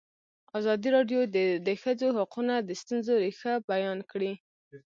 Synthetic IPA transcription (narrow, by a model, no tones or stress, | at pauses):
azɑd̪iɾɑɖjod̪d̪əxəd͡zoɦaqunad̪əst̪unzoɾexabajɑnkɽi